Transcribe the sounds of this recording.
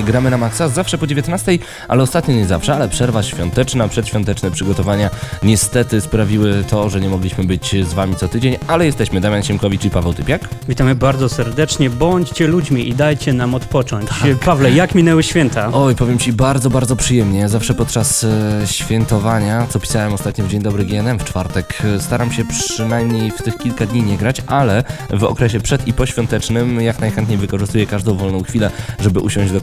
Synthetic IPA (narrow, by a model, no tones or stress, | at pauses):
ɡɾamɘnamaksazafʂɛpɔd͡ʑevʲjet̪nast̪ɛj | ʔa̰lɛɔst̪at̪ɲɔɲɛza̰fʂɛalɛpʂɛɾvaɕfʲjɔnt̪ɛt͡ʂnapʂɛt̪ɕʲfʲjɔ̃nt̪ɛt͡ʂnɛpʂɘɡɔt̪ɔvaɲaɲɛst̪ɛt̪ɘspɾavʲiwɘt̪ʰɔʐɛɲɛmɔɡlʲiɕmɘbɘt͡ɕzvamʲit̪sɔt̪ɘd͡ʑeɲalɛjɛst̪ɛɕmɘd̪amʲjanɕɛmkɔvʲit͡ʂipavɛwt̪ɘpʲjakvʲit̪amɘbaɾd̪ɔsɛɾd̪ɛt͡ʂɲɛbɔɲt͡ɕt͡ɕɛlud͡ʑmʲiʔid̪ajt͡ɕɛnamɔt̪pɔt͡ʂɔɲtt͡ɕapavlɛjakmʲinɛwɘɕfʲjɛnt̪aɔjpɔvʲjɛmt͡ɕibaɾd̪ɔbaɾd̪zɔpʂɘjɛmɲɛjazafʂɛpɔt̪̚t͡ʂasɕfʲjɛnt̪ɔvaɲat̪sɔpʲi̥sawɛmɔst̪at̪ɲɔvd͡ʑeɲd̪ɔbɾɨɡʲiɛnɛmft͡ʂfaɾt̪ɛkst̪aɾamɕɛpʂɘnajmɲejft̪ɘxkʲilkad̪ɲiɲɛɡɾat͡ɕʔalɛvɔ̰kɾɛɕ̬ɛpʂɛt̪ipɔɕfʲjɔnt̪ɛt͡ʂnɘmjaknajxɛnt̪̚ɲejvɘkɔʐɘst̪ujɛkaʐd̪ɔ̃w̃vɔlnɔ̃w̃xfʲilɛʐɛbɘʔuɕɔ̃w̃ʑd͡ʑɡɔ